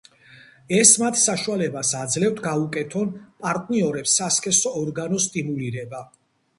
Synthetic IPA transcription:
ɛsmat̪ʰsaʃualɛbasad̪zlɛft̪ʰɡaukʼɛt̪ʰɔnpʼaɾt̪ʼniɔɾɛpsːaskʰʼɛsɔːɾɡanɔst̪ʼimuliɾɛba

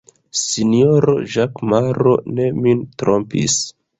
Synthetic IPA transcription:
sinio̞ɾo̞̰ʒakmaɾo̞̰ne̞mintɾo̞mpḭs

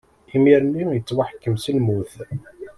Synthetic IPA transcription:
imiɾnːijət͡sːwaħkːəmsəlmuθ

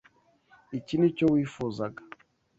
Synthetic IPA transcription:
icinut͡ʃowifuzaɡa

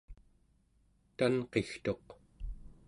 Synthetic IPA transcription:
t̪anqe̞xt̪o̞q

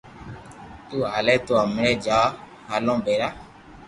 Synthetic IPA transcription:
t̪ualɛt̪oamɾɛd͡ʒa | alɔ̃bɛɾa

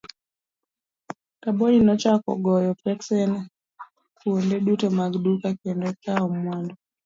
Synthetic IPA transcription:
kabɔlinɔt͡ʃakɔ̰ɡɔjɔpɛksɛn | kuondɛɗutɔmaɡdukakɛndɔkaɔmwandɔ

